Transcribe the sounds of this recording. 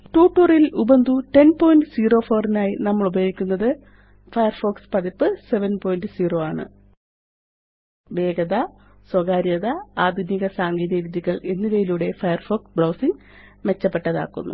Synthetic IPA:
ʈuːʈːuːrilubɐnd̪uʈe̞npo̞ːjnɖɨsiːro̞ːfo̞ːrinaːjinɐmːɐɭubɐjoːɡikʲːunːɐðɨ | fɐjɐrfoːkspɐðipːɨse̞ʋɐnpo̞ːjinɖɨsiːro̞ːaːɳɨ̰ | ʋe̞ːɡɐðɐ | swɐɡaːɾjɐðɐaːd̪ʱuniɣɐsaːŋɡiːðɐɾud̪jiɣɐɭe̞nːiʋɐjiluːɽe̞fɐjɐrfo̞ːksbɭɐːwsiŋ | me̞t͡ɕːɐpːe̞ʈːɐða̰ːkːṵnːṵ

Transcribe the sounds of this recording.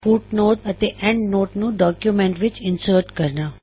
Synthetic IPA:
fuʈnoːʈɐt̪eʔẽɳɖnoːʈnũɖɔːkjumẽɳʈʋɪt͡ʃɪnsəɾʈkɐɾna

